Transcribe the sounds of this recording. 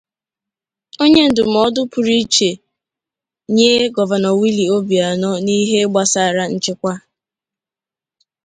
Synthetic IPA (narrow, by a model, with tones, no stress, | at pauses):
o˦ɲe˦n̩˨dʊ˨m̩˨ɔ˦dʊ˦pʊ˨ɾi˦t͡ʃe˨ | ɲe˦ɡɔ˨va˨nɔ˨wi˦li˨o˦bi˨a˨nɔ˦ni˦ɦe˦ɡ͡ba˦sa˦˨ɾa˦n̩˦t͡ʃɪ˦kʷa˦